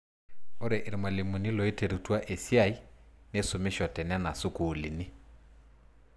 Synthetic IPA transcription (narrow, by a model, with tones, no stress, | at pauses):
o˦ɾɛ˨ʔe˨ɾi˨ma˨le˨mu˨ni˦lɔ˨e˦te˨ɾu˨twa˦ʔe˨sja˦˨i˦ne˦so˨me˦ʃɔ˨tɛ˨n˦a˦na˨sʊ˦ku˨li˨ni˦